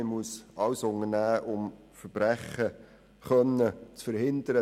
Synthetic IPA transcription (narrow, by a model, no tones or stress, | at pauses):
ɪmuəsɑwsʊŋənæːʔʊm | fəɾb̥ɾæχə | χœnːət͡sfəɾhɪnd̪əɾə